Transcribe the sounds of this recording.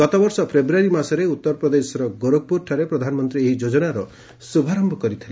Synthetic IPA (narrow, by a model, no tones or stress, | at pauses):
ɡɔt̪ɔbɔɾsɔpʰɾebɾuaɾimasɔɾeut̪ːɔɾɔpɾɔd̪esɔɾɔɡoɾok̚puɾʈʰaɾepɾɔd̪ʱanɔmɔnt̪ɾieɦid͡ʒod͡ʒɔnaɾɔ | subʱaɾɔmbʱɔkɔɾit̪ʰil